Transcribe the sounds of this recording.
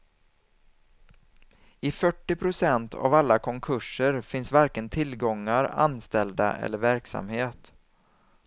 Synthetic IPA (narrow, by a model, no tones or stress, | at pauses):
ɪfœʈːɪpʰɾʊsɛnt̪ʰa̰valːakʰɔŋkʰɵʂəɾfɪnsvaɾkənt̪ʰɪlɡɔŋːaɾa̰nst̪ɛld̪a̰ʔɛ̰lːəɾvæɾksa̰mheːt̪